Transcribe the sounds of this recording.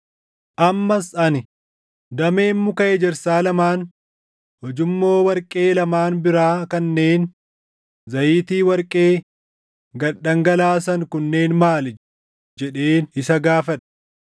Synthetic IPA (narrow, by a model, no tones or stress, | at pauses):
ʔɐmːɐsʔɐnɪ | d̪ɐme̞ːnːʊkɐɛd͡ʒɛɾsaːlɐmaːn | hɔd͡ʒɪmːo̞ːwɐɾkʼeːlɐmaːnbɪɾaːkɐnːeːn | zɐjiːt̪iːwɐɾkʼe̞ː | ɡɐᶑɐŋɡɐlaːs̬ɐŋkʊnːe̞ːnmaːl | d͡ʒɛᶑe̞ːnɪsɐɡaːfɐᶑɐ̥